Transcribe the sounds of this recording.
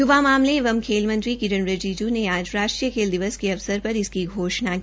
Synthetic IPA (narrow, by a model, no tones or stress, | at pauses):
jʊʋamaːmlẽɪʋəmkʰeːlmɐ̃nt̪ɾikɪɾənɾɐd͡ʒiːd͡ʒuneaːd͡ʒɾaːʃʈɾijəkʰeːld̪ɪʋəskeɐʋsəɾpɐɾɪskiɡʱoːʃna